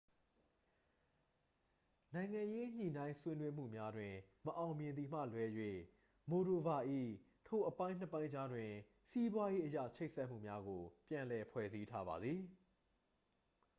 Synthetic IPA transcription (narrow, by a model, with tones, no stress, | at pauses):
nã˨ɪ̃ŋã˨je˦ɲ̥ḭ˨nã˦ɪ̃swɪ̃˦nwe˦m̥ṵ˦˨mja˦dwɪ̃˨məʔã˨ʊ̃mjɪ̃˨nd̪i˨m̥ä̰˦˨lwɛ˨jwe˨ | mo˨ɾo˨ba˨ʔḭ˦˨ | tʰo˨ʔəpã˦ɪ̃n̥ə˦˨pã˦ɪ̃ɲd͡ʑa˦dwɪ̃˨ | si˦bwa˦je˦ʔəja̰˦˨t͡ɕʰe˦ɪʔsɛ˦ʔm̥ṵ˦˨mja˦ɡo˨pjã˨lɛ˨pʰwɛ̰˦˨zi˦tʰa˦ba̰˨d̪ði˨